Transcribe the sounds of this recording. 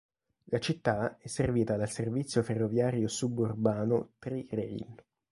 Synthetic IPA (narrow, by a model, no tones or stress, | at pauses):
lat͡ʃit̪ːaɛsːerviːt̪ad̪alservit̪sːjoferːovjaːɾjosuburbaːnot̪ɾirɛjn